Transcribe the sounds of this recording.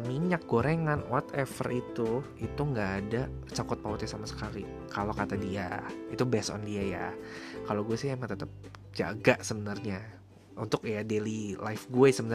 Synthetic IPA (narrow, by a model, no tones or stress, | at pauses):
miɲak̚ɡoɾɛŋanwat̪ɛfərʔit̪u | it̪uŋɡaːdat͡ʃakʊt̪̚paut̪ɛsamasə̥kali | kalokat̪adia̰it̪ubɛsɔ̰ndiaja̰kaloɡuɛsɪhemaŋt̪ət̪əp̚ | d͡ʒa̰ɡaʔsəbənərɲa | unt̪ʊkjadelilaɪfɡuɛsəbən